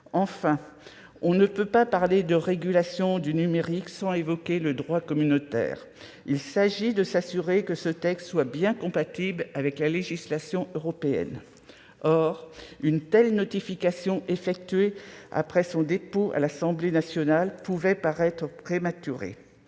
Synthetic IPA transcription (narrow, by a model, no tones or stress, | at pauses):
ɑ̃fɛ̃ | ɔ̃nəpøpapaʁled̪əʁeɡʲylasjɔ̃d̪ynymeʁiksɑ̃evɔkʲeləd̪ʁwakɔmynot̪ɛ̰ːʁ | ilsaʒid̪əsasyʁekəsət̪ɛkst̪swabjɛ̃kɔ̃pat̪iblavɛklaleʒislasjɔ̃øʁɔpeɛ̰n | ɔʁynt̪ɛlnɔt̪ifikasjɔ̃ʔefɛk̚t̪ɥea̰pχɛsɔ̃d̪epoa̰lasɑ̃blenasjɔnalpuvɛpaʁɛt̪χəpχemat̪yʁḛ